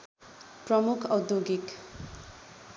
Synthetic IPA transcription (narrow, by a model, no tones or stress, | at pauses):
prʌmukʰʌwd̪joɡik